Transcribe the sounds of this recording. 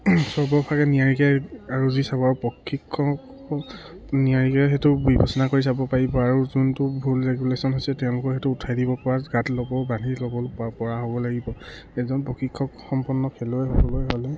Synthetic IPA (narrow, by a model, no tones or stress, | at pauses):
sɔɹbɔpʰakɛniaɹikɛaɹuzisabɔaɹupɹɔkʰːikʰːɔk | niaɹikɛxetʊbibʱɔsɔnakoɹisabɔpaɹibɔaɹuzuntʊbʱulɹeɡulesɔnɦojsɛtɛʊ̃lʊkɔxetʊutʰajdibɔpɔɹaɡatlɔbɔbanilɔbɔlpɔɹaɦobɔlaɡibɔ | ɛzɔnpɹɔkʰːikʰːɔkxɔmpɔnːɔkʰɛlojɦlɔjɦolɛ